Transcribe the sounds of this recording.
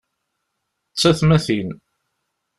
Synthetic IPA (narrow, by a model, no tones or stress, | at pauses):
t͡sːæθmæθin